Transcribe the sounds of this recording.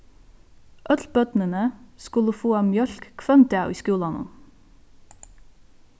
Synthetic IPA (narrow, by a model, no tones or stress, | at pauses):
ʔœt̪lbœt̪n̩ənəskʉləfoːɑːmjœlkkʰʋɛmt̪æʊḭːskʉːlɑnə̰n